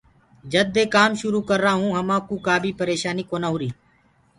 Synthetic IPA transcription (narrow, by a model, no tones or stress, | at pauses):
d͡ʒəd̪eːkaːmʃʊɾuːkəɾːaːɦũːɦəmãːkuːkaːbʱiːpəɾeːʃaːniːkoːnaːɦʊːɾiː